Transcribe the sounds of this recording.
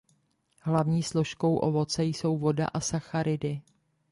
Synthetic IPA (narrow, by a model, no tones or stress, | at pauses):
ɦlavɲiːslo̞ʃko̞wʔovo̞t͡sɛjso̞wvo̞da̰ʔasaxaɾɪdɪ